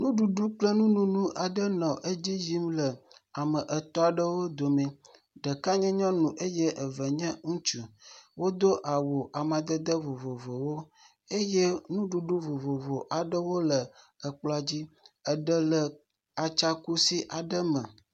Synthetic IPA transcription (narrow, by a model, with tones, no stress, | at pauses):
nũ˦ɖu˨ɖu˦k͡plə˦nũ˦nũ˦nũ˦ʔa˨ɖə˦nɔ̃˨ʔe˦d͡ʑi˦d͡ʒi˦mlə˨a˨mə˨ʔə˨t̪ɔ˦a˨ɖə˦wo˦d̪o˨mɛ̃˨ | ɖə˨ka˦ɲɛ̃˦ɲɔ̃˦nũ˨ʔe˦je˦ʔə˨və˨ɲɛ̃˦ŋũ˦t͡ʃu˨wo˦d̪o˦ʔa˨wo˨ʔa˨mã˨d̪ə˦d̪ə˦vo˨vo˨vo˨wo˦ | e˦je˦nũ˦ɖu˦ɖu˦vo˨vo˨vo˨ʔa˨ɖə˦wo˦lə˨ | ə˨k͡plɔ˨˦a˨d͡ʑi˦ə˨ɖə˦lə˨ | a˨t͡ʃa˦ku˦si˦ʔa˨ɖə˦mə̃˨